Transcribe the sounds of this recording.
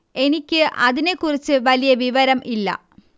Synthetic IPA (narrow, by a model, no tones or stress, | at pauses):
e̞nikʲːɨʔɐðine̞kːurit͡ɕːɨʋɐlijɐʋiʋɐɾɐmʔilːɐ̰